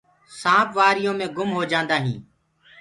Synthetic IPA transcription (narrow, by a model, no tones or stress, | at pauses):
sãːpʋaːɾɪjõːmẽːɡʊmɦoːd͡ʒãːnd̪aːɦĩː